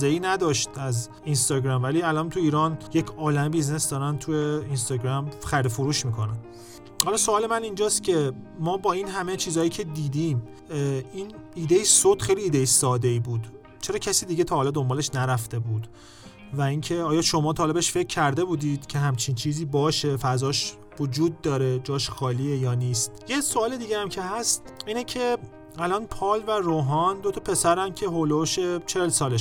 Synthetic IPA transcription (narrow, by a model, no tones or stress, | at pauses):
eiːnæd̪ɒːʃt̪æz | inst̪ɒːɟɾæmvæliːælɒnt̪ʰuiːɾɒːnjecʰɒːlæmebizne̞sd̪ɒːɾænt̪ʰujeinst̪ɒːɟɾæmxæɾd̪efuɾuːʃmiːkʰo̞næn | hɒlɒːsoɒːle̞mænind͡ʒɒːst̪cʰe̞mɒːbɒːiːnɦæmet͡ʃʰiːzɒːjiːcʰe̞d̪iːd̪iːm | iniːd̪eisod̪̥χejliːd̪ejisɒːd̪e̞iːbuːd̪ | t͡ʃʰe̞ɾɒːcʰæsiːd̪iːɟet̪ʰɒːhɒːlɒd̪o̞mbɒːle̞ʃnæɾæft̪e̞buːd̪ | væiːŋcʰe̞ɒːjɒʃo̞mɒːt̪ʰɒːlebeʃfe̞cʰːæɾd̪e̞buːd̪iːd̪̥cʰe̞ɦæmt͡ʃʰint͡ʃʰiːziːbɒːʃe̞fæzɒːʃ | vod͡ʒuːd̪̚ːɒːɾed͡ʒɒːʃxɒːliːejɒːniːst̪jesoɒːled̪iːɟejæmcʰe̞hæst̪iːnecʰe̞ | ælɒːnpʰɒːlværoːɦɒnd̪ot̪ʰɒpʰe̞sæɾæmcʰe̞ɦoloʃet͡ʃʰelsɒːle